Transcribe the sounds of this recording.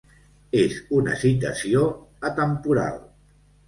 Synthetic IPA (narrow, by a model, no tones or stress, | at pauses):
ezunə̰sit̪̬əsioət̪əmpuɾa̰lˠ